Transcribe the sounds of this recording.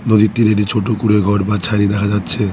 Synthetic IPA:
nod̪it̪ːiɾeʈit͡ɕʰoʈokuɾeɡʱɔɾbat͡ɕʰajɾid̪ɛkʰad͡ʑatːɕʰe

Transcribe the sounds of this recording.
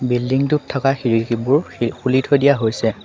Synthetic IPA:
bildiŋtuttʰːɔkaxiɹikibuɹxulitʰojdijaɦojsɛ

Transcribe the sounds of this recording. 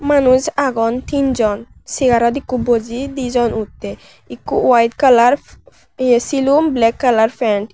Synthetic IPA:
manuzaɡɔnt̪ind͡ʒɔn | siɡaɾɔt̪ikːubod͡ʒid̪id͡ʒɔnut̪ːe | ikːuwajt̪kalaɾ | silumblɛkːalaɾfʰɛɳʈ

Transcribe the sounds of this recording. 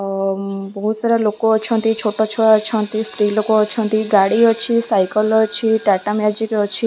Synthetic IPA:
bɔɦusaɾɔlokoːt͡ʃʰɔnt̪it͡ʃʰoʈɔt͡ʃʰɔat͡ʃʰɔnt̪ist̪ɾilokoːt͡ʃʰɔnt̪iɡaɽiɔt͡ʃʰisajkəlɔt͡ʃʰiʈaʈamjad͡ʒikɔt͡ʃʰi

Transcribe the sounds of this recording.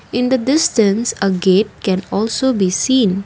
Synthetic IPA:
ɪ̃nd̪əɖɪsʈə̃nsəɡeːʈ̚kɛ̃nɔːlsoːbiːsĩːn

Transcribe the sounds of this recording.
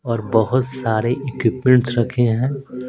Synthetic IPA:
ɔːɾbɐɦʊt̪saːɾeʔɪkwɪpmẽɳʈsɾɐkʰeɦɛ̃ː

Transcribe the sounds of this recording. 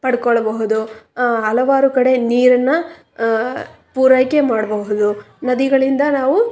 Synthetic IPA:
pɐɽkɔɭːɐbɐɦud̪uɐlɐʋaːɾukɐɽe̞niːɾɐnːɐ | puːɾɐjke̞maːɽɐbɐɦud̪u | nɐd̪iɡɐɭind̪ɐnaːʋu

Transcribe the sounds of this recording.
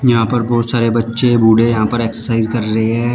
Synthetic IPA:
jɐɦãpɐɾbɔːt̪saːɾebɐtːʃebʱuːɽejɐɦãpɐɾeːksəɾsaːɪzkɐɾːɐɦeɦɛ̃ː

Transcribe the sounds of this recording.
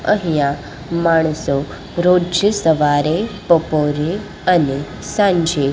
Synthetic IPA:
əɦjã | maɳ̃so | ɾod͡ʒəsəʋaɾepəpoɾe | əne | sãɲd͡ʒe

